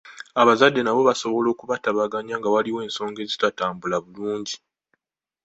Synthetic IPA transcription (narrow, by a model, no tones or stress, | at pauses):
aβazadːe̞naβo̞βaso̞βo̞lo̞ːkuβataβaɡaɲaːŋɡawaliwe̞ːnso̞ːŋɡe̞ːzitataːmbulaβuluːɲɟi